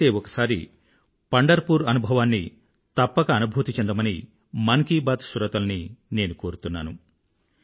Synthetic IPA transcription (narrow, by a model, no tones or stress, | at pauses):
eːɔkɐ̥saːɾi | pɐɳɖɐɾpuːɾɐnubʱɐʋaːnːi | t̪ɐpːɐkɐːnubʱuːt̪it͡ʃend̪ɐmɐni | mɐŋkiːbaːt̪suɾɐt̪ɐlɐnine̞ːnuko̞ːɾut̪unːaːnu